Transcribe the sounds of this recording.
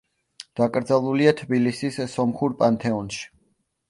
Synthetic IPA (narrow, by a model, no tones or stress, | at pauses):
d̪̥akʼɾd̪zalˠuliat̪ʰbilisissɔmχuɾpʼant̪ʰɛɔnʃi̥